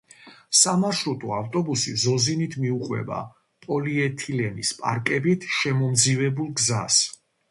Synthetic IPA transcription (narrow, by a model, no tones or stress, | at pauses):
samaʃɾut̪ʼuaft̪ʼɔbusizɔzinit̪ʰmiuqʼwɛ̰ba̰ | pʼɔliɛt̪ʰilɛnispʼa̰ɾkʼɛbit̪ʰʃɛmɔmd̪zivɛbulˠɡzas